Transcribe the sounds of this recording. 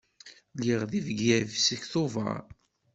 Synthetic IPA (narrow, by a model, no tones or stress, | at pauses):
liʁðivəɡːævsəçθʊvɑ̰ɾ